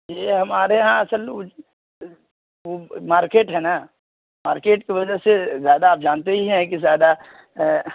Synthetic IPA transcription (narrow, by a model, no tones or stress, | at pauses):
jeɦɐmaːɾeɦãɐsəl | ʋomaːɾkeːʈɦɛna | maːɾkeːʈkiʋɐd͡ʒəɦsezjaːd̪aːp̚d͡ʒaːnt̪eɦiɦɛ̃kizjaːd̪a